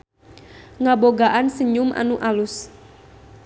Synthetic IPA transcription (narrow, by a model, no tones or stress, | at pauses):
ŋaboɡaʔansəɲʊmʔa̰nuʔalus